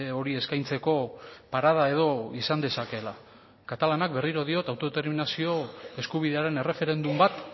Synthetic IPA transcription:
o̞ɾie̞skajnt͡se̞ko̞paɾað̞ae̞ð̞o̞isand̪e̞sake̞la | kat̪alanak̚be̞riɾo̞ð̞io̞t̪awt̪o̞et̪eɾminasio̞e̞skuβ̞iðe̞aɾe̞ne̞re̞fe̞ɾe̞nd̪umbat̪

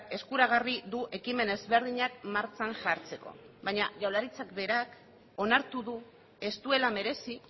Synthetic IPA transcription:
e̞skuɾaɣ̞ariðuʔe̞kime̞ne̞zβe̞ɾð̞iɲak̚maɾt͡ʃanʝaɾt͡se̞ko̞̰βajɲaʝawlaɾit͡sakbe̞ɾak | o̞naɾt̪uðu | e̞st̪ue̞lame̞ɾe̞si

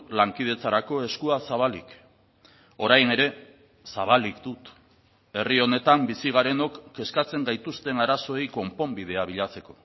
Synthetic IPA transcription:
laŋkið̞e̞t͡saɾako̞e̞skuasaβ̞alik | o̞ɾajne̞ɾe̞ | saβ̞alikd̪ut̪ | e̞rio̞ne̞t̪ambisiɣ̞aɾe̞no̞kːe̞skat͡se̞ŋɡajt̪ust̪e̞naɾaso̞ejko̞mpo̞mbið̞e̞aβ̞iʎat͡se̞ko̞̥

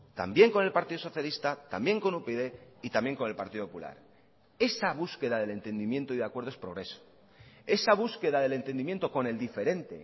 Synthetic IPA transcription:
t̪a̰mbje̞ŋko̞ne̞lpaɾt̪iðo̞so̞θjalist̪at̪a̰mbje̞ŋko̞nupeðe̞it̪ambje̞ŋko̞ne̞lpaɾt̪iðopoula̰ɾ | e̞saβ̞uske̞ðaðe̞le̞nt̪e̞nd̪imje̞nt̪oiðakweɾðoe̞spɾo̞ɣɾe̞so̥ | e̞saβ̞uske̞ðaðe̞le̞nt̪e̞nd̪imjent̪o̞ko̞ne̞ld̪ife̞ɾe̞nt̪e̞̰

